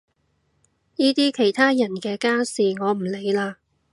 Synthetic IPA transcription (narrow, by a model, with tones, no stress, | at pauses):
jiː˥t̪iː˥kʰe˨˩jt̪ʰaː˥jɐ˨˩nkɛː˧kaː˥siː˨ŋɔː˨˧m̩˨˩le˨˧jlaː˧